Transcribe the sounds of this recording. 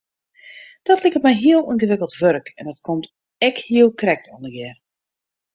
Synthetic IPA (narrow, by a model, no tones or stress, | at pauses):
d̥ɔtlɪkətmɛjɦiəlˠinɣəʋɪkəlˠtʋørkɛ̰ndɔtkʰomt | ɛkhiəlˠkrɛk̚tʰɔndəɡɛr